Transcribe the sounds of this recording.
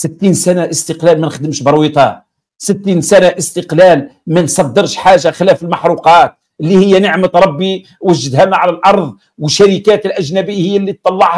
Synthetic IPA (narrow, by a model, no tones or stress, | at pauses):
sɪt̪ːiːnsænaʔəst̪əqlæːlmænxd̪əmʃbəɾˤwit̪ˤɑ | sɪt̪ːiːnsænaʔəst̪əqlælmænsˤɑd̪ːəɾʃħaːʒaxɪlæːfəlmɑħɾˤuqɑːt̪̚ | əlːihɪjːænəʕmət̪ɾˤɑbːi | wəʒːəd̪hæmæʕalælʔɑɾˤðˤ | wəʃːæɾikæːt̪əlʔæʒnæbəjːhɪjːælːit̪ˤːɑlːɑʕh